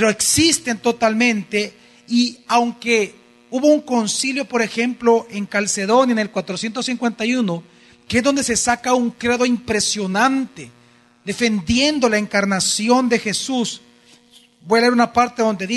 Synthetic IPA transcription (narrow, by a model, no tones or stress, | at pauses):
peɾoeksist̪e̞nt̪o̞t̪almẽ̞nt̪e̞ | iawŋke̞ | uβo̞uŋko̞nsiljo̞po̞ɾe̞xe̞mplo̞ʔe̞ŋkalse̞ðo̞njanelkwat̪ɾosje̞nt̪o̞siŋkwe̞nt̪ajuno̞ | keezðo̞nd̪e̞se̞sakauŋkɾeðo̞impɾe̞sjo̞nant̪e̞ | ðe̞fe̞nd̪je̞nd̪o̞laeŋkaɾnasjo̞nd̪e̞xe̞sus | bo̞jaleeɾunapaɾt̪eðo̞nd̪e̞ði